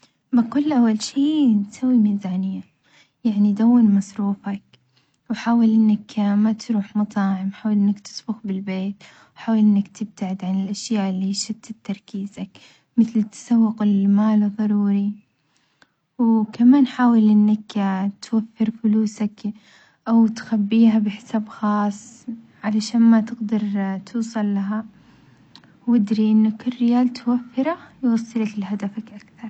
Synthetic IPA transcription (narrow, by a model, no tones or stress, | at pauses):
baqʊlːʔawːalʃiːnsawːimiːzaːnɪjːa | jaʕnid̪awːɪnmɑsˤɾuːfak̚ | wħaːwalʔɪnːakmat̪ɾuːħmɑt̪ˤɑːʕɪmħaːwalʔɪnːakt̪ɪ̥sbʊxbɪlbeːt̪ | ħaːwalʔɪnːakt̪ʰɪb̚t̪aʕɪd̪ʕanɪlʔaʃjaːʔɪlːiʃɪbt̪ɪt̪ːɑɾˤkiːzak | mɪθlt̪sawːɪqɪlmaːlðˤɑɾˤuːɾi | wkamaːnħaːwɪlʔɪnːakt̪wafːɪɾfʊluːsak | ʔawt̪xabːiːɦabɪħsaːbxɑːsˤ | ʕalaʃaːnmat̪ɪɡd̪ɑɾˤt̪ʰuːsˤɑlːaɦa | wɪd̪ɾiʔɪnːakɪrːɪjaːlt̪wafːɪɾajwɑsˤːɨlaklɦad̪afakʔakθɑɾˤ